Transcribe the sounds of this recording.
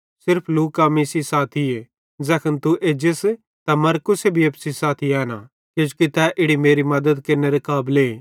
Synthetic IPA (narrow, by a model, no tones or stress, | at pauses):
sɪɾpʰluːkamiːsisaːt̪ʰie | d͡zɛːkʰənt̪uʔeːd͡ʒes | t̪ɐmɐɾkʊsebʱijɐpsisaːt̪ʰiɛːna | kod͡ʒukit̪ɛʔɪɽimeːɾimɐd̪əd̪kɪneɾekaːble